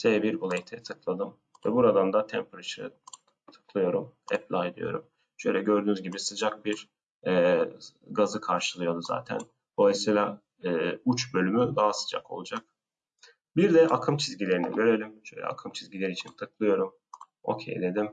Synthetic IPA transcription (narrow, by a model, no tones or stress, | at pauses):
sebiɾolˠejt̪ʰɛt̪ʰɯklˠad̪ɯm | vɛbuɾad̪and̪at̪ʰɛmpʰɾat͡ʃʰɾɯ̰ | t̪ʰɯ̥klˠɯjo̞ɾumɛ̰plʲaːed̪ḭjo̞̰ɾum | ʃøjlʲɛɟø̞ɾd̪yːnyzɟibisɯd͡ʒak̚biɾ | ɛːɡazɯkʰaɾʃɯlˠɯjo̞d̪uza̰ːt̪ʰæ̰n | bo̞lˠajsijlʲaː | ut͡ʃbø̞lʲymyd̪aɦasɯ̥d͡ʒa̰kʰo̞̰lˠud͡ʒak̚ | biɾd̪ɛʔakʰɯmt͡ʃʰizɟilʲe̞ɾinḭɟø̞ɾelʲimʃøjlʲɛ̰a̰kʰɯmt͡ʃʰizɟilʲeɾiːt͡ʃʰint̪ʰɯklˠɯjo̞ɾum | o̞̰cʰḛjd̪e̞d̪im